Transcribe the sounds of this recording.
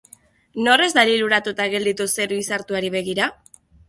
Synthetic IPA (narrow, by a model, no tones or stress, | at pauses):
no̞re̞zd̪aliɾuɾat̪ut̪aɣe̞ld̪it̪use̞ɾuisaɾt̪uaɾiβ̞e̞ɣ̞iɾa